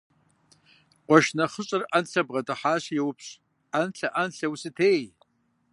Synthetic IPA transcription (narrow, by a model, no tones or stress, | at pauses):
qʷɔʃnɐχəɕʼɨranɬʰɐbʁɐdɨħaːɕjewʊpʰɕ | anɬʰɐʔanɬɐwusɨtʰeːj